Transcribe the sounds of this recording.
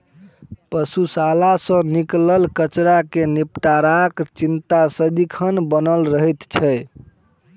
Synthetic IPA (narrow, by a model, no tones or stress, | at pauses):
pəsusalasə̃nikləlkət͡ʃɾakenipʈaɾakt͡ʃint̪asəd̪ikʰənbənəlɾəɦɛt̪t͡ʃʰɛj